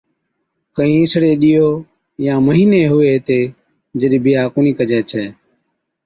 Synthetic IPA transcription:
kəĩːɪsɽeːɗɪjoː | jãːməɦiːneːɦʊʋeːt̪eː | d͡ʒəɗiːbʱɪjaːkoːniːkəd͡ʒɛːt͡ʃʰɛː

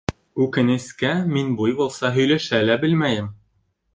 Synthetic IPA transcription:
ʉkɘ̆nɘ̆skæminbujbulˠsɑɦɵ̆jlæʃælæbɘlmæjɘm

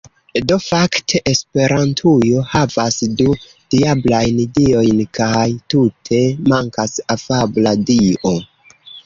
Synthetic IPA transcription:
do̞faktʰe̞ʔespe̞ɾantʰujo̞havasdu | d̥iablajnidio̞jnkajtutʰe̞maŋkasafabladio̞

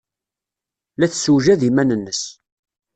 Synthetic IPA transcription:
læθsuwʒæðimænənːəs

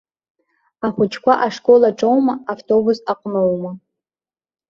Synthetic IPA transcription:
aχʷʊt͡ʃʰkʷaʔaʂkʼolaʈ͡ʂʼowmaaftʰo̞busaqʷʼnowma

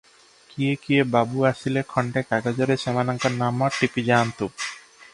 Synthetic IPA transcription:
kiekiebabuaʃilekʰɔɳɖekaɡad͡ʑɔɾeʃɛmanaŋkaɾnamɔʈipid͡ʑant̪u

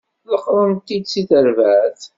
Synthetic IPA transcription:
ləqːɾˤənt̪ːid̪siθəɾvæθ

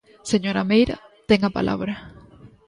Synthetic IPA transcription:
se̞ɲo̞ɾamejɾa̰ | t̪eŋɡapa̰lʔa̰βɾa

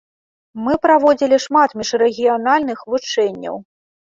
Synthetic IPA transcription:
mɨpɾavɔd͡zʲilʲiʂmat̪mʲiʂrɛɣʲijanalʲnɨxvut͡ʂɛnʲːɐ̰w

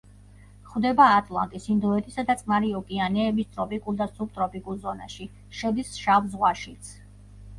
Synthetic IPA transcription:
χwd̪ɛbaːt̪ʼlˠa̰nt̪ʼisind̪ɔɛt̪ʼisad̪at̪sʼmaɾiɔkʼianɛːbist̪ʼɾɔpʼikʼulˠd̪asupt̪ʼɾɔpʼikʼulˠzɔna̰ʃi | ʃɛd̪isʃavzʁwaʃit̪sʰ

